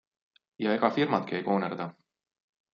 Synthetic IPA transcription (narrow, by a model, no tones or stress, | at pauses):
jɑeɡɑfirmɑt̪̚kiejko̞ːnerd̪ɑ